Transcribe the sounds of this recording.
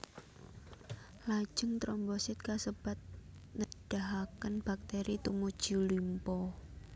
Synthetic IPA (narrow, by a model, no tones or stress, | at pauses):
lḁʒ̥ə̤ŋt̪ɾɔmbɔsɪt̪̚kasəb̥a̤t̪̚nəɖ̥aɦakənb̥ak̚t̪eɾʔit̪umud̥ʒ̥ṳlimpɔ